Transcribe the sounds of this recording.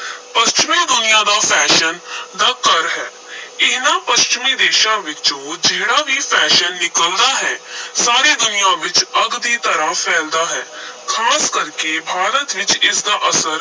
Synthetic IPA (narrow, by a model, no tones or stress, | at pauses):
pəst͡ʃɪmiːd̪ʊnɪjãːd̪aːpʰɛːʃənd̪aːkəɾɦɛː | ɪnãːpəst͡ʃɪmiːd̪eːʃãːʋɪt͡ʃoːd͡ʒeːɽaːbʱiːpʰɛːʃənːɪkəld̪aːɦɛːsaːɾeːd̪ʊnɪjãːʋɪt͡ʃəɡd̪iːt̪əɾaːpʰɛːld̪aːɦɛːkʰaːskəɾkebʱaːɾət̪ʋɪt͡ʃɪsd̪aːʔəsəɾ